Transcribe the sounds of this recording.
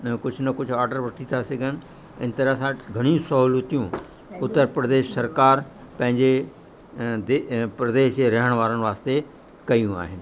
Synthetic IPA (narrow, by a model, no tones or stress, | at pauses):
kʊd͡ʑʱʊnɐkʊd͡ʑʱaːɾɖəɾʋɐʈʰit̪ʰasɐɡʱənɪ̆ | ɪn̆t̪ɐɾasãːʈɡʱɐɽ̃ĩsɐɦuːlut̪ijũ | ʊt̪ːəɾpɾɐd̪eːʃsɐɾkaːɾ | pɐ̃ɦɪ̃ɲd͡ʑe | d̪epɾɐd̪eːʃeɾɐɦəɽ̃ʋaːɾəɽ̃ʋaːst̪e | kɐjũa̰ːɦɪnɪ̆